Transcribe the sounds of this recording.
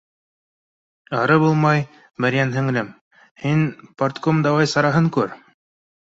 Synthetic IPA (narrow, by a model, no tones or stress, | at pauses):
ɑɾɤbulˠmɑj | mɘɾjænɦɘ̆ŋɘ̆lɘm | hinpɐrt̪komd̪ɑwɑjsɑɾɑɦɤŋkʉɾ